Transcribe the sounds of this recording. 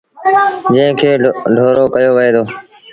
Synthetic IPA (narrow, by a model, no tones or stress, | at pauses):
d͡ʒə̃ɦɪ̃kʰeːɖʱoːɾoːkəjoːʋəɦeːd̪oː